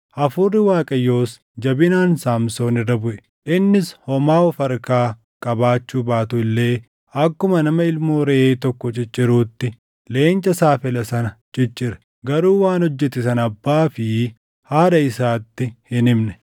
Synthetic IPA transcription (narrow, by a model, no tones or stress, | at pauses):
ʔɐfʊrːɪwaːkʼɐjːo̞ːs | d͡ʒɐbɪnaːnsaːmso̞ːnɪrːɐbʊʔɛ̥ | ʔɪnːɪshɔmaːwɔfɐɾkaː | kʼɐbaːt͡ʃːuːbaːt̪ʊɪlːe̞ː | ʔɐkːʊmɐnɐmɐɪlmo̞ːɾɛʔeːt̪ɔkːɔt͡ʃʼɪt͡ʃʼːɪɾuːt̪ːɪ | le̞ːnt͡ʃʼːɐsaːfɛlɐsɐnɐt͡ʃʼɪt͡ʃʼːɪɾɐ̥ | ɡɐɾuːwaːnhɔd͡ʒːɛt̪ːɪsɐnɐbːaːfɪ | haːd̪ɐɪsaːt̪ːɪhɪnɪmnɛ̥